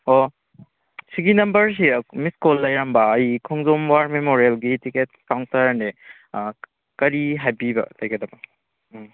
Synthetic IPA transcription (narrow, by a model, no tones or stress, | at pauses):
o | siɡinɐmbɐɾs̬imiskolːɐjɾambɐːjkʰɔŋzomwaɾmemoɾielɡitiket̚kawŋtɐɾne | kɐɾiɦajbibɐ̰lɐjɡɐdɐbɐ